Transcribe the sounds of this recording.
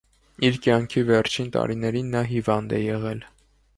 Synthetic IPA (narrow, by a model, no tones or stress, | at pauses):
iɾkjɑŋkʰivɛɾt͡ʃʰint̪ɑ̰ɾinɛɾinːɑɦivɑnd̪ɛjɛʁɛl